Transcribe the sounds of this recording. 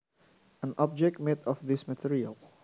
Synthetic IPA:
ə̃nɔb̚d͡ʒɛk̚t̚mɛtɔfðɪsmətʰɪɹiəlˠ

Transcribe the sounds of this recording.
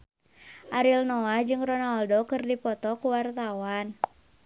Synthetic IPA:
ʔaɾilnɔad͡ʒɨŋrɔnaldokɨrdipɔt̪ɔkuwart̪awan

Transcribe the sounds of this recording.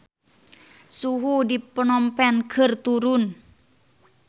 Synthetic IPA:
suɦudipənɔmpɛnɡərt̪uɾʊn

